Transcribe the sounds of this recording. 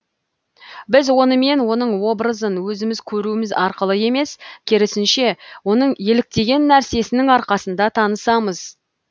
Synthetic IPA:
bɪzwo̞nəme̞nwo̞n̪əɴwo̞bɾəzənwɵzɪmɪzkʲʰɵɾuɪmɪzɑɾqəlˠəje̞me̞skʲʰeɾɪsɪnʃe̞wo̞nəɴje̞lɪk̚t̪e̞ɡʲe̞nːæɾse̞sɪnɪŋɑɾqɑsənd̪ɑt̪ʰɑnəsɑməz̥

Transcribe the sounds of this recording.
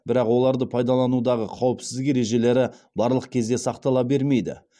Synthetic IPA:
bɪɾɑqwo̞lˠɑɾd̪əpʰɑjd̪ɑlˠɑnud̪ɑʁəqʰɑwəpsɪzd̪ɪkeɾe̞ʒe̞le̞ɾɪbɑɾlˠəqkʲʰe̞zd̪e̞sɑqt̪ɑlˠɑbe̞ɾme̞jd̪ɪ̰

